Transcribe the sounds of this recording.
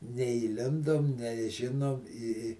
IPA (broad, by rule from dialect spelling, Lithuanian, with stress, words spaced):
nʲɛiːˈlʲɪndoːm nʲɛˈʒʲɪnoːm ɪ ɪ